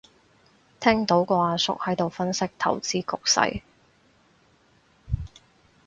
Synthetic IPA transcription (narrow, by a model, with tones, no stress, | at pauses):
t̪ʰɛː˥ŋt̪o˨˥wkɔː˧˨sʊ̰˥k̚hɐ˨˥jt̪o˨wfɐ˥nsɪ˥k̚t̪ʰɐ̰˨˩wt͡siː˥kʊ˨k̚sɐ̰˧˥j